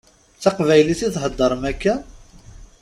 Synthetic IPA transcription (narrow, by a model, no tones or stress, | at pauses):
t͡sːɑqvæjliθiθɦəd̪ˤːəɾˤmækːæ